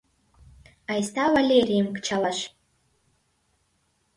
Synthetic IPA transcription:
ajstʰawalʲejrijmkʰʼt͡ʃʰalaʃ

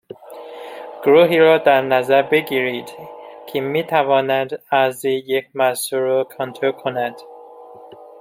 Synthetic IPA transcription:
ɡ̥ɾuːɦiːɾɒːd̪æɾnæzæɾbe̞ɡiːɾid̪kʰemiːt̪ʰævɒːnæd̪æziːjekʰmæsuɾokʰɒnt̪ʰɾokʰonæd̪̥

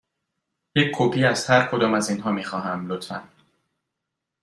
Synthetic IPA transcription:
jecʰkʰopʰiːæst̪hæɾkʰo̞d̪ɒːmæziːnɦɒːmiːxɒːɦæmlot̪ʰfæn

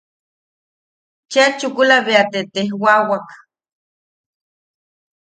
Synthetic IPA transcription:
t͡ʃat͡ʃukulaβeat̪et̪ehwawak

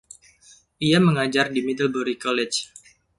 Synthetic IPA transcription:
ʔijaməŋad͡ʒardimidəlboɾikɔlɛt͡ʃ

